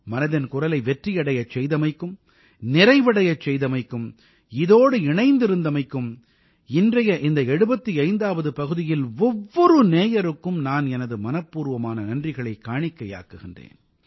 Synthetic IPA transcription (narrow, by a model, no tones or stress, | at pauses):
mɐnɐðɪnkʊrɐlɐɪʋɛʈrijɐɽɐjɐt͡ʃɛjðɐmɐɪkːɯm | nɪɾɐɪʋɐɽɐjɐt͡ʃːɛjðɐmɐɪkːɯm | ɪðoːɽɯɪɳɐɪnd̪ɪɾɯnd̪ɐmɐɪkːɯm | ɪndrɐjɐʔɪnd̪ɐɛɽɯbɐt̪ːiɐɪnd̪aːʋɐðɯpɐɣɯðɪjɪlɔʋːɔɾɯneːjɐɾɯkːɯmnaːnɛnɐðɯmɐnɐpːuːɾʋɐmaːnɐnɐndrɪɣɐɭɐɪkːaːɳɪkːɐja̰ːkɯɣɪndrḛːn